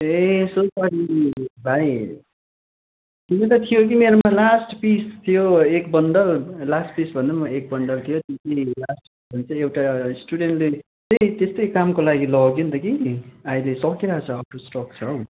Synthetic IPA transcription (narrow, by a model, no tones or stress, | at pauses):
esosaɾibʱaj | k̪inet̪ʌt̪ʰijok̬imeɾomalasʈpist̪ʰijoekbʌɳɖʌllasʈpisbʱʌnʌmʌek̚bʌɳɖʌlt̪ʰijot̪et̪ʌjlasʈpisbʱʌnt͡sʰʌewʈasʈuɽeɳʈle | t̪ʌjt̪est̪ʌjkamkolaɡilʌɡjunt̪ʌkiajlesʌkiɾʌɦat͡sʰʌʌpɾosʈʌk̚t͡sʰʌw